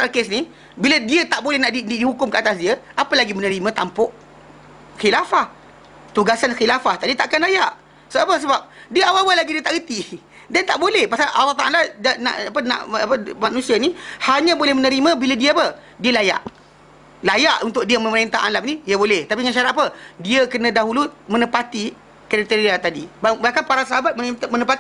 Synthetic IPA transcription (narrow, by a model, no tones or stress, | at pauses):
salkesni | bilədiət̪aʔbolɛhnaʔdidihukʊmkəat̪as̬diəapəlaɡimənə̃ɾimãt̪ampʊʔ | xilafah | t̪uɡasanxilafaht̪adiət̪aʔakanlajaʔ | səbapəs̬əbap̚diəawawalaɡidiət̪aʔɡət̪i | diant̪aʔbolɛhpasalʔɑlːɑht̪aʔaladana̰ʔapənã̰ʔapəmanũsianĩhaɲãbolɛhmənəɾimãbiladiəpə | diəlaja̰ʔ | lajaʔunt̪ʊk̚diəmə̃məɾint̪aanlam̚nidiəbolɛht̪apiŋãnʃaɾat̪̚apədiəkənãdaɦulumə̃nəpat̪i | kaɾat̪eɾiat̪adḭbabahkanpaɾasəɦabat̪̚mət̪mənəpat̪i